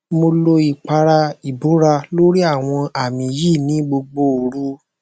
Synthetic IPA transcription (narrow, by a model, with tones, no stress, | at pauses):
mo˧lo˧i˨k͡pa˧ɾa˧i˨bo˨˦ɾa˧lo˦ɾi˦a˦˨w̃ɔ̃˧a˨mĩ˧ji˦˨nĩ˨˦ɡ͡bo˧ɡ͡bo˧o˨ɾu˨˦